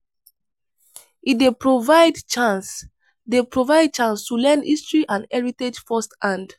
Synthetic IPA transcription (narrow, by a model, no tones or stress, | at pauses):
idepɹovaɪdt͡ʃãns | depɹovaɪd̚t͡ʃãnstulɛ̃nḭstɹiʔãndɛɹited͡ʒfɔstãnd